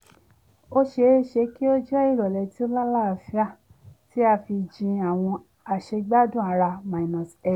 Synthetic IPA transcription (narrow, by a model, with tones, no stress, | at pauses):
o˦ʃe˧˦ʃe˧ki˦o˦d͡ʒɛ˦i˦˨ɾɔ˨lɛ˨˧ti˨˦o˦la˦la˦a˨fi˦a˦˨ | ti˦a˧fi˧d͡ʒĩ˧a˨w̃ɔ̃˧ | a˨ʃe˧ɡ͡ba˦dũ˦˨a˧˦ɾa˧ma˨i˨nɔ̃˨sɛ˦˨